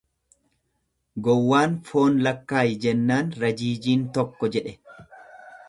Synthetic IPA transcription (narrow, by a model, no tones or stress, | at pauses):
ɡɔwːaːnfo̞ːnlɐkːaːjɪd͡ʒɛnːaːnɾɐd͡ʒiːd͡ʒiːnt̪ɔkːɔd͡ʒɛᶑɛ